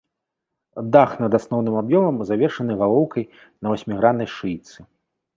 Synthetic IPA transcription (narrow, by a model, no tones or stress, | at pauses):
d̪axnɐd̪asnɔwnɨmabjɔmɐmzavʲɛrʂɐnɨɣalˠɔwkɐj | nɐvasʲmʲiɣɾanɐjʂɨjt̪sɨ